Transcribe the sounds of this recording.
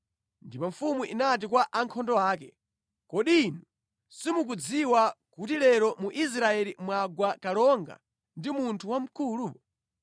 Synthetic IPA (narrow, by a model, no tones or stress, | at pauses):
ndipɔɱfumuʔinat̬ikwaʔaŋkʰɔndɔaːkɛ | kɔɗinu | simuk̬ud͡ziwakutilɛɾɔmuʔis̬ɾaɛlimwaɡwakalɔŋɡa̰ | ndimuntʰuwam̩kʰulu